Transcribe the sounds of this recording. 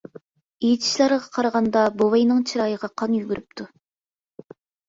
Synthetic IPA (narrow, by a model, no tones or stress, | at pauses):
ejit̪ʰi̥ʃlˠɑɾʁɑqʰɑɾɑʁɑnd̪ɑbowɑjnɨŋt͡ʃʰiɾɑːjəʁɑqʰɑnjyɡʲyɾyp̚t̪ʰu